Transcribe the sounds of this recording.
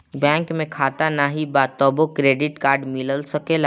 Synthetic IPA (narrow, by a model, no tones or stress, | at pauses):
bɛ̃ːŋkmẽkʰaːt̪anaɦibaːt̪ɔːbokɾeːɖɪʈkaːɾɖmɪləlsəkela